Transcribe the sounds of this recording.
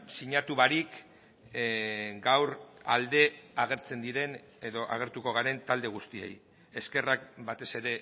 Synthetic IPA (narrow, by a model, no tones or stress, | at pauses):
siɲat̪uβaɾik | ɡawɾald̪e̞aɣ̞e̞ɾt͡se̞nd̪iɾe̞n | eðo̞ʔa̰ɣ̞e̞ɾt̪uko̞ɣ̞aɾe̞nt̪ald̪e̞ɣ̞ust̪ie̞̰j | eske̞rak̚bat̪e̞se̞ɾe̞